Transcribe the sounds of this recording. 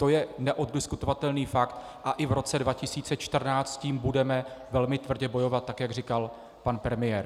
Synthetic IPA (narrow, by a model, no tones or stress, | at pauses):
t̪o̞jɛnɛʔo̞d̪̚dɪskut̪o̞vat̪ɛlniːfakt̪ | ʔaʔɪvɾo̞t͡sɛdvacɪsiːt͡sɛt͡ʃt̪r̩naːt͡st̪ciːmbudɛmɛvɛlmɪt̪vr̩ɟɛbo̞jo̞vat̪̚ːakjaɡrikal | panpɾɛmɪjɛːɾ